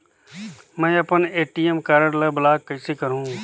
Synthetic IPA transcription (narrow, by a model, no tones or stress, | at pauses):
mɛ̃ːɐpəneːʈiːemkaːɾəɽlɐbɐlaːkːɐisekɐɾũː